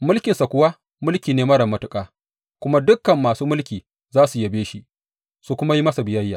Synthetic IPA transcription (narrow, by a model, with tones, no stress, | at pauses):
mʊ˦lkʲɪ˨nsa˨kʷʊ˦wa˦ | mʊ˦lkʲiː˨neː˨mɐ˦ɽɐ˨mːɐ˦tʊ˦kʼaː˨ | kʷʊ˦ma˦dʊ˦kːɐ˨mːaː˨suː˦mʊ˦lkʲiː˨ | zaː˦su˨ja˨beː˦ʃi˦ʔ | su˨kʷʊ˦ma˦ji˦mɐ˦sa˨bɪ˨jɐ˦jːaː˨